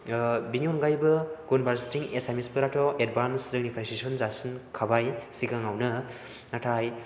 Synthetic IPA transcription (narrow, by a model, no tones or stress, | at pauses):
binionɡajbɯɡ̥unbaɾstiŋesajmespɯɾatʰɔʔed̚banszɯknipʰɾesisɔnzasinkʰabajsikaŋawnɐ | natʰaj